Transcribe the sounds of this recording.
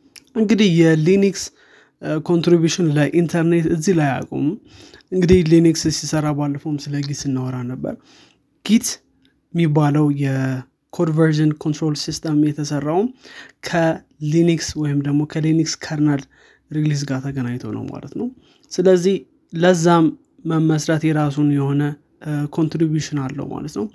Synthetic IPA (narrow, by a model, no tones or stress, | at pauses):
ʔɨŋɡɨd̪ihjɛliniks | kʰo̞nt̪ɾibjuʃɪnləʔint̪ʰəɾne̞t̪ɨzːihlaja̰kʼo̰m | ʔɨŋɡɨd̪ihlinikssisəɾabalːəfomsɨləɡit̪ɨnːəwɔɾanəbːə̰ɾ | ɡ̥it̪ | mːibːaləwjɛ | kʰod̪vəɾʒənkʰo̞nt̪ɾo̞lsist̪ʰəmjɛt̪ʰəsərːawumkʰə | linikswɔjɪmd̪əɡmo̞kʰəlinikskʰaɾnal | ɾiɡlis̬ɡat̪ʰəɡənaɲt̪ʰonə̰wma̰lət̪nəw | sɨləzːih | ləzːamː | əmːəsɾat̪jɛɾas̬unjɛho̞nə | kʰo̞nt̪ɾibjuʃɪnalːə̰wma̰lət̪nəw